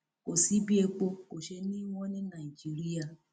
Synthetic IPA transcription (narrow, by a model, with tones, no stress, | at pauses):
ko˨si˨˦bi˦e˧k͡po˧ko˨ʃe˧nĩ˦w̃ɔ̃˦nĩ˦nã˨i˨d͡ʒi˦ɾi˦a˦˨